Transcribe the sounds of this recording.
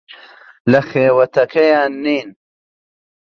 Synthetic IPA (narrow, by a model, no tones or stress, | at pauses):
lɐxeːwɐt̪ɐkɐjaːnːiːn